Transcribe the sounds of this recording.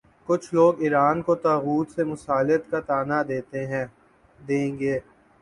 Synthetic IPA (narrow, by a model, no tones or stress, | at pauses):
kʊt͡ʃʰloːɡɪɾaːnkot̪aːɣuːd̪semʊsaːlɪət̪kat̪aːnad̪eːt̪eɦɛ̃ | d̪ẽːŋɡeː